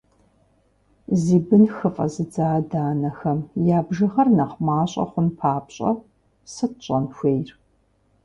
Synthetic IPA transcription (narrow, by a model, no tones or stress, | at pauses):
ziːbɨnxɨfʼɐ̰zɨd͡zaːdaːnɐxɐmjaːbʒɐʁɐrnɐχʷmaːɕʼɐ̰χʷʊnpʰaːpɕʼɐ̰ | sɨɕʼɐnxʷeːjr